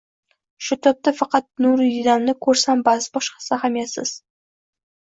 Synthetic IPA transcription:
ʃʊt̪ʰʊp̚t̪afɑqɑt̪̚nʊɾjɪd̪annɪkʰɵɾsambazbɒʃqɑ̥sahamjasɪ̰z̥

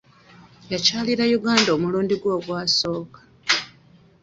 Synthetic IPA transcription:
jacaːliɾajuɡaːndomuluːndiɡwo̞ːɡwaːso̞ːkḁ

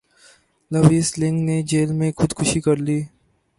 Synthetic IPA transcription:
lɐʋiːslɪ̃ŋɡned͡ʒeːlmẽxʊd̪kʰʊʃikɐɾliː

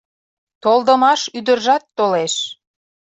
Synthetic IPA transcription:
t̪olˠd̪əmɑʃyd̪ərʒɑt̪ːoleʃ

